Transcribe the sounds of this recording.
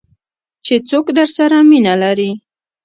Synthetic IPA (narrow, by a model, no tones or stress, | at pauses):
t͡ʃet͡sokd̪əɾsaɾaminalaɾi